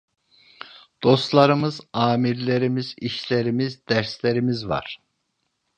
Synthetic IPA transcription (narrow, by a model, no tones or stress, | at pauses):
d̪̥o̞st̪lˠaɾɯmɯzaːmiɾlʲeɾimiziʃlʲeɾimizd̪æɾslʲeɾimizva̰ɾ̥